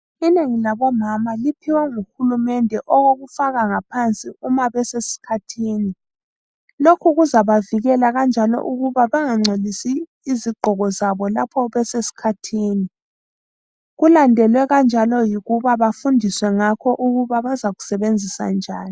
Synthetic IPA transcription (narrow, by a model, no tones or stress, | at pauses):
ineŋilaβɔmamalipʰiwaŋuxulumɛndʱɛʔɔɣoɣufaɣaŋapʰant͡sʼiumaβɛsesi̥kʰatʰiːni | lokʰuɣuzaβaviɣɛlaɣand͡ʒʱalɔ̰ʔuɣuβaβaŋaŋ͡ǀʱelisiː | ziɡ͡ǃʱɔɣɔzaβɔlapʰɔβɛsesi̥kʰatʰiːni | ɣulandʱɛlwɛɣand͡ʒʱalɔjiɣuβaβafundʱiswɛŋakʰɔʔuɣuβaβazaɣu̥sɛβend͡zʱisa̰nd͡ʒʱaːni